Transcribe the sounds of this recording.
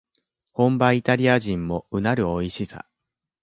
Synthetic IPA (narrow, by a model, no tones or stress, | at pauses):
hõ̞mbait̪aɾʲiaʑĩmːo̞ɯ̟naɾɯ̟oiɕisa̰